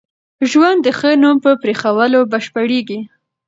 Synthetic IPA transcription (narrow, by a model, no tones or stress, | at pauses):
ʒwand̪ːəxənumpəpɾexawəlobaʃpaɽeɡi